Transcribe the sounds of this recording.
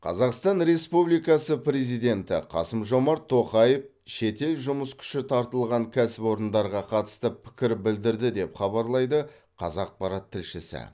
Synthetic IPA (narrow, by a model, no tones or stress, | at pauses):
qʰɑ̰zɑqst̪ɑnɾe̞spublijkɑsəpɾe̞zijd̪e̞nt̪ɪ̰qʰɑ̰səmʒo̞mɑɾt̪ʰːo̞qɑjəf | ʃe̞t̪e̞lʒʊməskʲʰʏ̥ʃɪt̪ʰɑɾt̪əlˠʁɑŋkʲʰæsɪpo̞ɾənd̪ɑɾʁɑqʰɑt̪ə̥st̪əpʰɪ̥kʲɪɾbɪld̪ɪɾd̪ɪd̪e̞pχɑβɑɾlˠɑjd̪ə | qʰɑ̰zɑq̚pɑɾɑt̪ʰːɪlʃɪsɪ̰